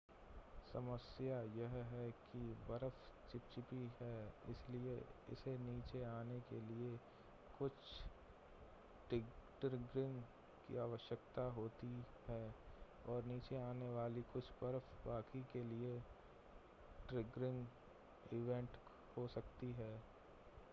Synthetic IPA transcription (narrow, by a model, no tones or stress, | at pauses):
sɐməsjajɐɦɦɛkibɐɾəft͡ʃɪp̚t͡ʃɪpiɦɛːɪ̰slieɪ̰seniːt͡ʃeaːnekelie | kʊt͡ʃʰ | ʈɾɪɡɾɪ̃ŋɡ | kḭaːʋəʃjəkt̪aɦoːt̪i | hɛː | ɔːɾniːt͡ʃeaːneʋaːlikʊt͡ʃʰbɐɾəfbaːkikelie | ʈɾɪɡɾɪ̃ŋɡ | ɪʋɛ̃ɳʈ | hosɐkt̪iɦɛː